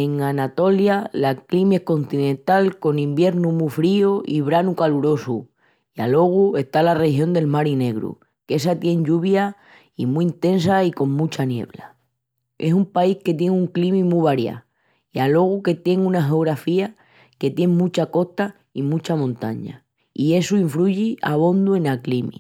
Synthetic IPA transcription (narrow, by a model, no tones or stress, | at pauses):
e̞ŋanat̪o̞ljalaklimie̞hko̞nt̪inẽnt̪alko̞nĩmbje̞ɾnumufɾioiβ̞ɾanukaluɾo̞su | ia̰lo̞ɣ̞ue̞st̪alarehjo̞nd̪e̞lmaɾine̞ɣɾṵ | ke̞sat̪je̞ŋʎuβ̞ja | imuint̪e̞nsaiko̞ŋmũt͡ʃanje̞̰βla | e̞sumpaihke̞t̪̬je̞ŋuŋklimĩmuβaɾja̰ | ialo̞ɣ̞uke̞t̪je̞ŋũnaɦeoɣɾafia | ke̞t̪je̞ŋmũt͡ʃako̞ht̪a | imũt͡ʃamõnt̪a̰ɲa̰ | ie̞suiɱfluʝia̰β̞o̞nd̪ue̞naklimḭ